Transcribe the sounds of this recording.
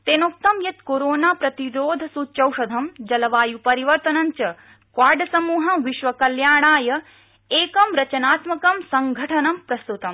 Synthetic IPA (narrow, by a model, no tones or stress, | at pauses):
t̪eːnok̚t̪ɐmjɐt̪koɾoːnaːpɾɐt̪iɾoːd̪ʱɐsuːt͡ʃɐwʂɐd̪ʱɐmd͡ʒɐlɐʋaːjupɐɾiʋɐɾt̪ɐnɐɲt͡ʃɐ | kwaːɖɐsɐmuːɦɐʋiʃʋɐkɐljaːɳaːjɐ | eːkɐmɾɐt͡ʃɐnaːt̪mɐkɐmsɐŋɡʱɐʈʰɐnɐmpɾɐst̪ut̪ɐm